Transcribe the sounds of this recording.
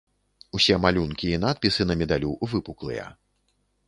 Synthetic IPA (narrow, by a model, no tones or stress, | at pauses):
usʲɛmalʲunkʲiːn̪at̪̚pʲisɨnɐmʲɛd̪alʲuvɨpuklˠɨ̰jɐ̰